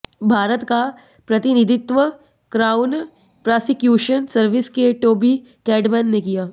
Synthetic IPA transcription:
bʱaːɾət̪ka | pɾɐt̪ɪnɪd̪ɪt̪ʋə | kɾaːʊn | pɾaːsɪkjuːʃənsɐɾʋɪskeʈoːbi | kɛːɖmɛːnːekijaː

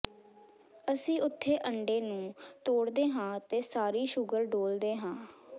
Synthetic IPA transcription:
əsĩːʊt̪ʰːeːʔəɳɖeːnũːt̪oːɽd̪eːɦãːt̪eːsaːɾiːʃʊɡəɾɖoːld̪eːɦãː

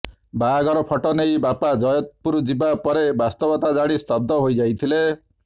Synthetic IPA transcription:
baɡɔɾɔpʰɔʈɔnejbapad͡ʒɔjɔt̪puɾd͡ʒibapɔɾebast̪ɔbɔt̪ad͡ʒaɽ̃ist̪ɔb̚d̪ɔɦojd͡ʒajt̪ʰile

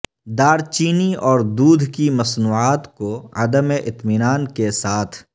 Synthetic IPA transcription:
d̪aːɾt͡ʃiːniɔːɾd̪uːd̪ʱkimɐsnuːaːt̪koɐd̪əmeʔɪt̪mɪnaːnkesaːt̪ʰ

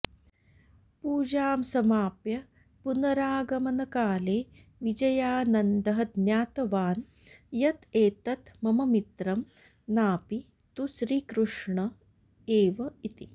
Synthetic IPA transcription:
puːd͡ʒaːmsɐmaːpjɐ | punɐɾaːɡɐmɐnɐkaːleː | ʋid͡ʒɐjaːnɐnd̪ɐɦɐd̪njaːt̪ɐʋaːn | jɐt̪eːt̪ɐt̪mɐmɐmit̪ɾɐm | naːpi | t̪uʃɾiːkɾuʂɳɐ | eːʋɐit̪i

